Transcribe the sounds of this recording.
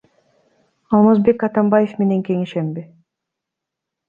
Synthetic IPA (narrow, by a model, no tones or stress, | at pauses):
ɑlˠmazbe̞kɑt̪ɑmbaje̞fme̞ne̞ŋke̞ŋeʃembɪ